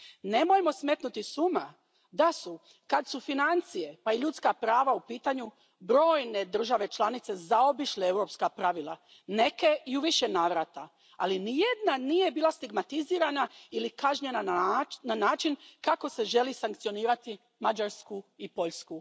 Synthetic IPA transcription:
ne̞mojmo̞sme̞t̪nut̪isuma | d̪asu | kad̪sufinant̪sije̞paiʎut̪skapɾaːʋaupiːt̪aɲu | bɾo̞ːjne̞d̪r̩ʒaʋe̞t͡ʃlˠanit̪sezao̞biʃleewɾo̞pskapɾaʋilˠa | ne̞ke̞iuʋiʃe̞naːʋɾat̪a | alinijed̪nanije̞biːlast̪iɡmat̪iziːɾanailikaʒɲe̞nananaːt͡ʃinkako̞se̞ʒe̞lisaŋkt̪sio̞niːɾat̪i | mad͡ʒaɾskuipo̞ʎsku

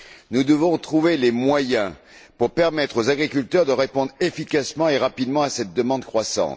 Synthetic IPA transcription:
nud̪əvɔ̃t̪χuvelemwajɛ̃ | puʁpɛʁmɛt̪χozaɡʁikʲylt̪œʁd̪əʁepɔ̃d̪ʁefikasmɑ̃eʁapid̪mɑ̃asɛt̪̚d̪əmɑ̃d̪kχwasɑ̰̃t̪

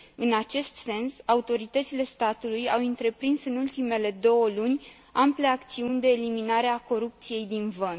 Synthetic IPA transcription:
ɨnat͡ʃe̞st̪se̞nsaut̪o̞ɾit̪ət̪sile̞st̪at̪ulujawɨnt̪ɾe̞pɾinsɨnult̪ime̞le̞d̪o̞wəlunʲ | ample̞akt̪siunʲd̪e̞ːliminaɾeako̞ɾup̚t̪sije̞jd̪invən

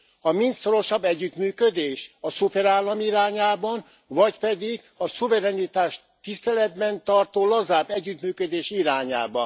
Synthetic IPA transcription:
ɒmint̪so̞ɾo̞ʃɒbːɛɟːyt̪myːkød̪eːʃɒsupɛɾaːlːɒmiɾaːɲaːbɒn | vɒcpɛd̪iɡ | ɒsuvɛɾɛnit̪aːʃt̪ːist̪ɛlɛd̪bɛnt̪ɒrt̪oːlɒzaːbɛɟːyt̪myːkød̪eːʃiɾaːɲa̰ːbɒ̰n

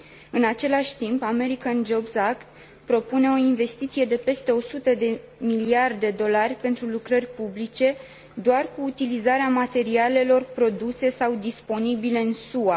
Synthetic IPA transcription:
ɨnat͡ʃe̞laʃʲt̪impame̞ɾikand͡ʒo̞bsakt̪ | pɾo̞pune̞o̞inve̞st̪it̪sije̞d̪e̞pe̞st̪e̞o̞sut̪əd̪e̞ | miliard̪e̞d̪o̞larʲpe̞nt̪ɾulukɾərʲpublit͡ʃe̞ | d̪oarkuːt̪ilizaɾeamat̪e̞ɾiale̞lo̞rpɾo̞d̪use̞sawd̪ispo̞nibile̞ɨnsua

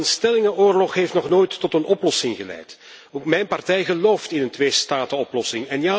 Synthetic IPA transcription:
ənstɛlɪŋəʔoːrlɔxɦeftnɔχnoːjtːɔtənɔplɔsɪŋɣəlɛ̰jt | oːkmɛjnpɑrtɛjɣəloːftɪnəntʋeːstaːtəɔplɔsɪŋɛnja

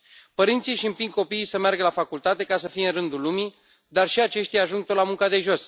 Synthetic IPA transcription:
pəɾint̪siʃiɨmpiŋ̚ko̞piːsəmearɡəlafakult̪at̪e̞kasəfijeɨnrɨnd̪ulumi | d̪arʃiat͡ʃe̞ʃt̪ʲjaaʒuŋɡ̚t̪olamuŋkad̪e̞ʒo̞s

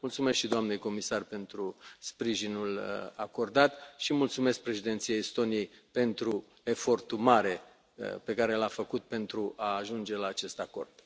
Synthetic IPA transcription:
mult̪sume̞skʃid̪oamnejko̞misarpe̞nt̪ɾuspɾiʒinulako̞rd̪at̪ʃimult̪sume̞sk̚pɾe̞ʃid̪et̪sijaist̪o̞niejpe̞nt̪ɾu | e̞fo̞rt̪umaɾe̞̰ | pe̞kaɾe̞lafəkut̪̚pe̞nt̪ɾuʔaːʒund͡ʒe̞laːt͡ʃe̞st̪ako̞̰rd̪̥

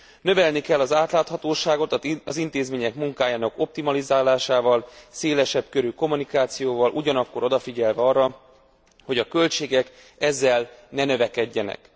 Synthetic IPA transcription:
nø̞vɛlnikɛlːɒzaːt̪laːt̪hɒt̪oːʃaːɡo̞t̪ɒzint̪eːzmeːɲɛkmuŋkaːjaːnɒko̞p̚t̪imɒlizaːlaːʃaːvɒlseːlɛʃɛbkø̞ɾyko̞munikaːt̪sijoːvɒlʔuɟɒnɒkːo̞ɾo̞d̪ɒfiɟɛlvɛɒrːɒ | ho̞ɟɒkø̞lt͡ʃeːɡɛk | ɛzːɛlnɛnø̞vɛkɛɟːɛnɛ̰k

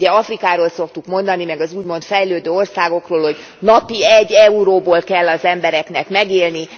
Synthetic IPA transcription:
ɛɒfrikaːɾoːlsokt̪ukmo̞nd̪ɒnimɛɡɒzuːɟmo̞nt̪fɛjløːd̪øːo̞rsaːɡo̞kroːlho̞ɟ | nɒpiɛɟːɛuɾoːboːlkɛlːɒzɛmbɛɾɛkn̪ɛkmɛɡeːlni

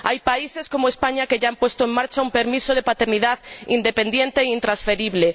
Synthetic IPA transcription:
ajpaiseskomoespaɲakeʎampost̪oeŋmaɾt͡ʃaumpeɾmisoð̞epat̪eɾniðaðḭnd̪epend̪jent̪eint̪ɾasfeɾiβle

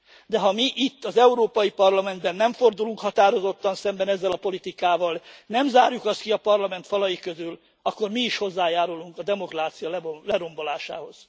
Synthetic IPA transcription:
d̪ɛɦɒmiʔit̪ːɒzɛuɾoːpɒjipɒrlɒmɛnd̪bɛnːɛɱfo̞rd̪uluŋkhɒt̪aːɾo̞zot̪ːɒnsɛmbɛnɛzːɛlɒpo̞lit̪ikaːvɒlnɛmzaːɾjukɒst̪kiɒpɒrlɒmɛnt̪fɒlɒjikøzyl | ɒkːo̞rmiːʃho̞zːaːjaːɾuluŋkɒd̪ɛmo̞kraːt̪sijɒlɛlɛɾo̞mbo̞laːʃa̰ːho̞z̥

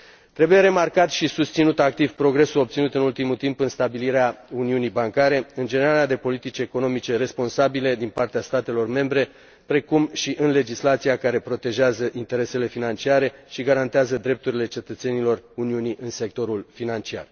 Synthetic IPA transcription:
t̪ɾe̞buje̞ɾe̞markat̪ʃisust̪sinut̪ak̚t̪ivpɾo̞ɡɾe̞suo̞p̚t̪sinut̪ɨnult̪imult̪impɨnst̪abiliɾeauniunijbaŋkaɾe̞ɨnd͡ʒe̞ne̞ɾalead̪e̞po̞lit̪it͡ʃʲeko̞no̞mit͡ʃe̞ɾe̞spo̞nsabile̞d̪inpart̪east̪at̪e̞lo̞rme̞mbɾe̞ | pɾe̞kumʃiʔɨnle̞d͡ʒislat̪siakaɾe̞pɾo̞t̪e̞ʒeazəʔint̪e̞ɾe̞se̞le̞finant͡ʃiaɾe̞ʃiɡaɾant̪eazəd̪ɾe̞p̚t̪uɾile̞t͡ʃe̞t̪ət̪se̞nilo̞runiuniʔɨnse̞k̚t̪o̞ɾulfinant͡ʃia̰r

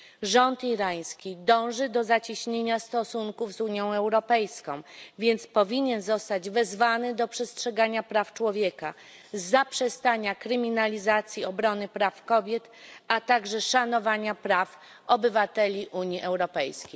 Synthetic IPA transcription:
ʐɔnt̪iɾaj̃skʲid̪ɔ̃w̃ʐɘd̪ɔzat͡ɕiɕɲeɲast̪ɔsuŋkuvzuɲjɔ̃w̃ɛwɾɔpɛjskɔ̃w̃vʲjɛnt̪spɔvʲiɲɛnzɔst̪ad͡ʑvɛzvanɘd̪ɔpʂɛstʂɛɡaɲapɾaft͡ʂwɔvʲjeka | zːapʂɛst̪aɲakɾɘmʲinalʲizat̪sʲjiɔbɾɔnɘpɾafkɔbʲjɛt̪ | at̪aɡʐɛʂanɔvaɲapɾaf | ɔbɘvat̪ɛlʲiʔuɲiʔɛwɾɔpɛjskʲej

